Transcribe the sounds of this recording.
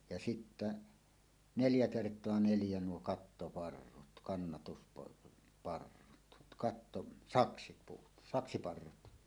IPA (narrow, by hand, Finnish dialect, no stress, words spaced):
jɑ sitːæ neljæ kertˑoɑ neljæ nuo kɑtːopɑrːut kɑnːɑtuspɑr pɑrːut kɑtːo sɑksipuːt sɑksipɑrːut